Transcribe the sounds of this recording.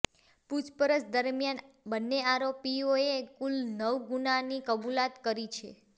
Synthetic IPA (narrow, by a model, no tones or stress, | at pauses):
put͡ʃpəɾət͡ʃd̪əɾmjan | bənːeaɾopioekulnəʋɡunanikəbulat̪kəɾit͡ʃʰḛ